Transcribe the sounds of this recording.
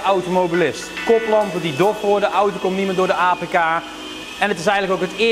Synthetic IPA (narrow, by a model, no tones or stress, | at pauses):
awtomowbilɪstkɔplɑntədidɔfʋʊdəʔawtəkɔmnimɪdʊːdəaːpekaː | ɛnətɪs̬ɛjɣndləkowkɦətɪ